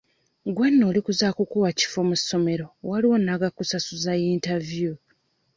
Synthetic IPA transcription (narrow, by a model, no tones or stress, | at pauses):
ɡwanːo̞ːlikuzaːkukuwaci̥fo̞musːo̞me̞ɾo̞waliwo̞nːaɡakːusasuzajintavju